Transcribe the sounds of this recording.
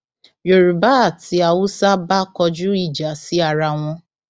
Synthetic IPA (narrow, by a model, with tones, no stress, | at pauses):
jo˨ɾu˨ba˦a˨ti˨a˨wʊ˦sa˦ba˦kɔ˧d͡ʒu˦i˦˨d͡ʒa˨si˦a˨ɾa˨ŋ̃ʷɔ̃˦